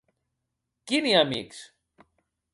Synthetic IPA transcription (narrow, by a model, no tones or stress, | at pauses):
kiniamḭks